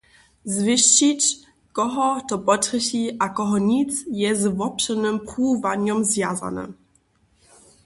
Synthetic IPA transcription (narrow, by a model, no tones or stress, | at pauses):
zvɪɕt͡ɕit͡ɕ | kɔɦɔt̪ɔpɔtɾəɕiʔakɔɦɔɲit͡sjɛzvɔpɕɛnɘmpχuːvaɲɔmzvʲjaza̰nɛ̰